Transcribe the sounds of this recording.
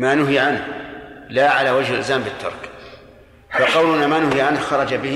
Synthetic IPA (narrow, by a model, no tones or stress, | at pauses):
maːnʊɦiʕanhlaʕalawad͡ʒhɪlʔɪ̰zaːmbɪt̪ʰːɑ̰ɾˤk | faqɑwlʊnamaːnʊhiʕanhxɑɾˤɑd͡ʒabɪh